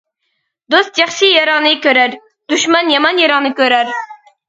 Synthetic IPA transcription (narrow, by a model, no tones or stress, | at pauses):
d̪ost̪̚d͡ʒɑχʃijɑɾɑʁnɨkʲøɾæɾ | d̪̥yʃmɑnjɑmɑnjɑɾɑʁnɨkʲøɾæɾ